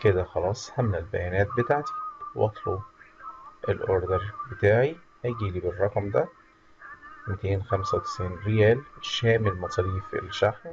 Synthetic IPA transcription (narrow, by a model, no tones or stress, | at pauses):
ked̪æxɑlɑːsˤhæmːælbæjænæːt̪̚bet̪aʕt̪i̥wʔɑ̰t̪ˤlo | ʔelʔoɾd̪eɾˤbet̪aːʕi | hæɡiːliːberˤːɑqɑmd̪æ | met̪eːnxæmsæwt̪e̥sʕiːnɾejæːlʃæːmelmɑt̪ˤɑliːfḛlʃaħm